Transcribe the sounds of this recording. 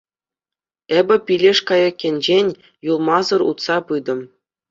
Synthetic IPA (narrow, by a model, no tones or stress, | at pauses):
ebʲɘ̆pʲilʲeʂkɑjɑkʲːenʲd͡ʑenʲ | julˠmɑzɤ̆rṵt̪sɑpɯd̪ɤ̆m